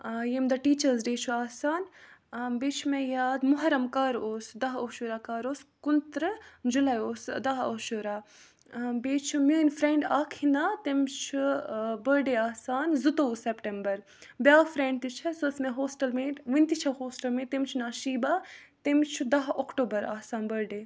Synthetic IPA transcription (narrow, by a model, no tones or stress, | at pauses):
jemd̪ɐʈiːt͡ʃɐɾzɖeːt͡ʃʰuaːsaːn | beːt͡ʃʰumẽjaːd̪mʊɦɐɾɐmkaːɾoːsd̪ɐɦoːʃuɾaːkaːɾoːskunt̪ɾɨd͡ʒulaːjoːsd̪ɐɦoːʃuɾaː | beːt͡ʃʰumʲuːnfɾeɳɖaːkʰinat̪emt͡ʃʰubəɾɖeːaːsaːnzut̪oːusepʈembɐɾ | bjaːfɾeɳɖt̪it͡ʃʰɐsusmeɦoːsʈɐlmeːʋinʲt̪it͡ʃʰɐhoːsʈɐlmẽːt̪emt͡ʃʰunaːʃiːbaːt̪emt͡ʃʰud̪ɐɦokʈoːbɐɾaːsaːnbəɾɖeː